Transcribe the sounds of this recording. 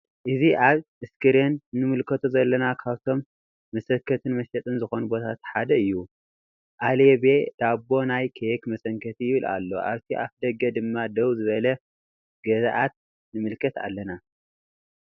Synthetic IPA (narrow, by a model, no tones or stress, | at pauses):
ʔɨziʔaβʔɨskɨɾenːɨmɨlkʰɐt̪ʰuzɐlːɐnakʰaβt̪ʰo̞mː | ɐsɐkʰːɐt̪ʰɨnmɐsɐt̪ʼɨnzɨxo̞nubo̞t̪ʰat̪ħad̪ɐɨjːu | ʔaleβed̪̥abːo̞najkʰekmɐsɐŋkʰɐt̪ʰijɪβɨla̰lːo̞̰ʔa̰βt̪ʰiʔaβd̪ɐɡɐd̪ɨmːad̪ɐwzɨβɐlɐ | ɡ̥ɐzʔat̪̚ | nɨmɨlkʰɐt̪a̰lːɐna